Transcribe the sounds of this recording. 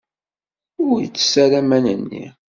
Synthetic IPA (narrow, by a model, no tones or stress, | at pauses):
ʊɾjət͡sːsæɾæmænənːḭ